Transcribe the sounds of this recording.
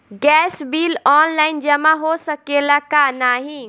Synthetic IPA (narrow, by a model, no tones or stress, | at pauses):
ɡɛːsbilɔːnlaːɪnd͡ʒəmaɦosəkelakanaːɦĩ